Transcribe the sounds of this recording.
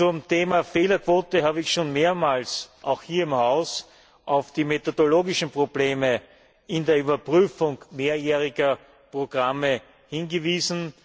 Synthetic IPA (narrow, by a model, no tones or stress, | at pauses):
t͡sʊmtʰeːmafeːlɐkv̥oːtəhaːbəɪçʃoːnmeːɐmaːlsʔaʊxhiːɐɪmhaʊs | ʔɑʊfd̥iːmetodoloːɡɪʃn̩pʁ̥ob̥leːmə | ɪndeːɐyːbɐpʁyːfʊŋmeːɐjeːʁɪɡɐ | pʁ̥oɡ̥ʁamə | hɪnɡəviːzn̩